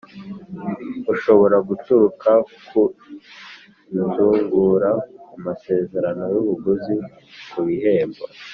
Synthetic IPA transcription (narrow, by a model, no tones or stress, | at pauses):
uʃo̞βo̞ɾaɡutuɾukʰakʰu | uzuːŋɡuɾaumase̞ːze̞ɾano̞juβuɡuzi | kuβiɦe̞ːmba